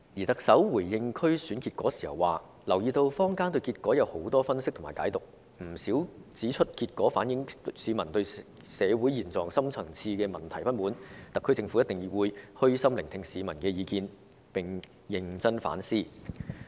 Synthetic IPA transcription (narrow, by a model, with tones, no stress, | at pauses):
jiː˨˩t̪ɐ˨k̚sɐ˨˥wːuː˨˩jjɪ˧ŋkʰɵ˥ɥsyː˨˥nki˧t̚kʷɔː˨˥siː˨˩hɐ˨waː˨ | lɐ˨˩wjiː˨˧t̪o˧wfɔː˥ŋkaː˥nt̪̬ɵ˧ɥkiː˧t̚kɔː˨˥jɐ˨˧who˨˥wt̪ɔː˥fɐ˥nsɪ˥k̚tʰʊ˨˩maː˨˩jka̰ː˨˥jt̪ʊ˨k̚ | m̩˨˩siː˨˥wt͡siː˨˥t͡ʃʰɵ˥t̚kiː˧t̚kʷɔː˨˥faː˨˥njɪ˨˥ŋsiː˨˧mɐ˨˩nt̪ɵ˧ɥ | sɛː˨˧wu˨˥jiː˨˩nt͡sɔː˨ŋsɐ˥mt͡sʰɐ˨˩ŋt͡sʰiː˧kɛː˧mɐ˨˩nt̪ʰɐ˨˩jpɐ˥t̚muː˨˥nt̪ɐ˨kʰːɵ˥t͡sɪ˧ŋfu˨˥jɐ˥t̪̚ɪ˨˩ŋjwuː˨˧jhɵ˥ɥsɐ˥mlɪ˨˩ŋt̪ʰɪ˧ŋsiː˨˧mɐ˨˩nkɛː˧jiː˨˧kiː˧n | pɪ˨ŋ | jɪ˨ŋt͡sɐ˥nfa̰ː˨˥nsiː˥